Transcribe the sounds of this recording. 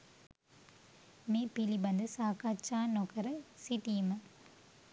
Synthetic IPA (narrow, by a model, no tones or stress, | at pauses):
meːpilibɐnd̪ɯsaːkat͡ʃːaːnokɐɾɯsiʈ̪imɐ